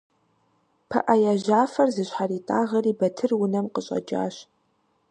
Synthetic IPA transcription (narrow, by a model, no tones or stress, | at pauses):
pʰɐ̰ʔɐjaʒaːfɐrzɨɕħaɾiːtʼaːʁɐɾiːbɐtʰɨrwʊnɐmqəɕʼɐ̰d͡ʒʼa̰ːɕ